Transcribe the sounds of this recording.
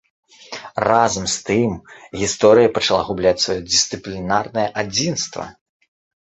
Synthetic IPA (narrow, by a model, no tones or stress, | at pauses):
razɐmst̪ɨmɣʲist̪ɔɾɨjɐpɐt͡ʂalˠaɣublʲat͡sʲsvajɔd͡zʲist̪sɨplʲinarnɐjɐʔad͡zʲinst̪vɐ̰